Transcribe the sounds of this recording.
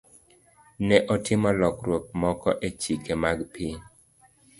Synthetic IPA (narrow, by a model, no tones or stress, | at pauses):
nɛʔɔtʰɪmɔlɔkɾwok̚mɔkɔʔet͡ʃikemaɡpɪ